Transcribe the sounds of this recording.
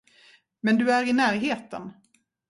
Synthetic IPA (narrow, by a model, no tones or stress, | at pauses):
mɛnd̪ɵæɾɪnæːɾɦeːt̪ə̰n